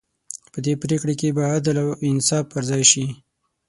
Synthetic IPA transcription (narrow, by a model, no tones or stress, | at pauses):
pəd̪epɾekɽekebɑad̪əlaɪnsɑfpəɾzɑjʃi